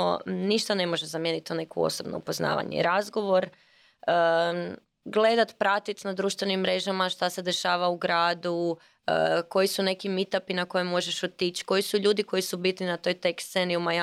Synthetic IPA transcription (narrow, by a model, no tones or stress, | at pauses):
niʃt̪ane̞mo̞ʒezamje̞nit̪one̞kṵo̰sobno̰ṵpo̞zna̰ːʋa̰ɲḛɾazɡo̞ʋo̞ɾ | ə | ɡle̞d̪at̪pɾat̪it̪nad̪ɾuːʃt̪ʋe̞nimːɾe̞ʒamaʃt̪ase̞d̪e̞ʃaːʋauɡɾaːd̪u | əko̞jisune̞kimit̪apinako̞jemːo̞ʒeʃot̪it͡ɕko̞jisuʎuːd̪iko̞jisubit̪ninat̪o̞jt̪e̞kst̪se̞niumaja